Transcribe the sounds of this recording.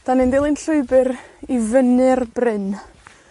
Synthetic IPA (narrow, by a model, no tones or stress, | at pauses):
d̥anɨndɪlˠɨnɬʊɨbɨɾivənɨrbrɪn